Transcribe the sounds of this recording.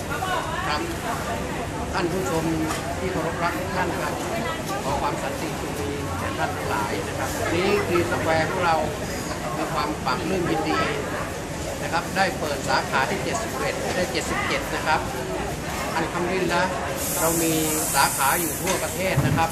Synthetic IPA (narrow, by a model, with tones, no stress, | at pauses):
kʰa˦˧˥m | t̪ʰa˥˩npʰuː˦˥˩t͡ɕʰo˧m | t̪ʰiː˥˩kʰa˧wɾo˦˥p̚ɾa˦˥p̚t̪ʰuː˧˥˩ŋt̪ʰa˥˩nkʰa˦˥p̚ː | kʰɔː˨˦kʰwaː˧msa˨˦nt̪i˨˩kʰu˧miː˧ɛː˩nt̪ʰa˥˩nt̪ʰa˧ŋla̰ː˩˦jna˦˥kʰa˦˥p̚a˧niː˦˥kʰɯː˧sa˧˥kwɛː˧ŋkʰɔ˧˦ŋɾa˧w | miː˧kʰwaː˧mfa˨˩˦ŋlɯː˥˩mji˧ndiː˧ | na˦˥kʰa˦˥p̚daː˥˩jpɤː˨˩t̪̚saː˩˦kʰaː˩˦t̪ʰiː˥˩t͡ɕe˨t̪̚si˨˩p̚ʔe˨˩t̪̚aː˧˩daː˥˩t͡ɕe˨˩t̪̚si˨˩p̚t͡ɕe˨˩t̪̚na˦˥kʰa˦˥p̚ | t̪ʰa˧˥˩nkʰa˧mɾi˥˩nlɛ˦˥ | ɾa˧wmiː˧ | saː˩˦kʰaː˩˦juː˨˩t̪ʰu˥˩ɐpa˧t̪ʰeː˥˩t̪̚na˦˥kʰa˦˥p̚